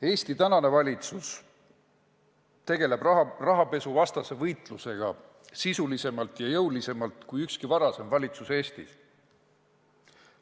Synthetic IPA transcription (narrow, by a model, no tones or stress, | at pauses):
e̞ːst̪it̪ænɑne̞vɑlʲit̪sus | t̪e̞ɡe̞le̞b̥rɑrɑɦɑpe̞suvɑst̪ɑse̞vɤjt̪ˑluse̞ɡ̥ɑ | sisulise̞mɑlt̪ˑjɑjɤwlise̞mɑlt̪ˑkujykskivɑɾɑse̞mvɑlʲit̪suse̞ːst̪ḭs